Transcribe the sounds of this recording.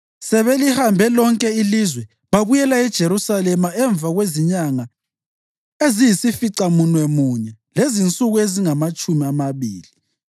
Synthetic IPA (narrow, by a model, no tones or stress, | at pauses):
sɛβelihambʱɛlɔŋkʼɛilizwɛ | βaβujɛlaɛd̥ʒ̥ʱeɾusalɛmaɛɱb̪vʱaɣweziɲaŋa | ezijisifiǀamunwɛmuɲɛ | lezint͡sʼuɣueziŋamat͡ʃʼumiamaβiːli